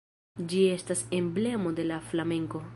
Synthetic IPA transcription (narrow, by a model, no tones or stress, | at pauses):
d͡ʒie̞stase̞mble̞mo̞de̞laflame̞ŋko̞